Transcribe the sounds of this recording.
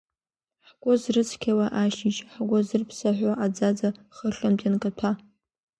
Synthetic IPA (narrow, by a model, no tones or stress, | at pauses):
ħɡʷʼʊzrɨt͡sʰkʲʰawaʔaʃiʃħɡʷʊzɨrpʰsaħʷaʔad͡zad͡zaχəɬamtʼjankʼatʰa